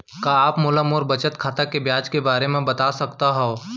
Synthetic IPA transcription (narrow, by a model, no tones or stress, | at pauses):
kaaːpmʊlamʊɾbɐt͡ʃət̪kʰaːt̪akebjaːd͡ʒkebaːɾemẽbɐt̪asɐkt̪aɦɛo